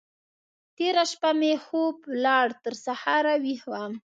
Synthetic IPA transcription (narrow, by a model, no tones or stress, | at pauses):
t̪eɾaʃpamexoplɑɽt̪əɾsahɑɾawihwam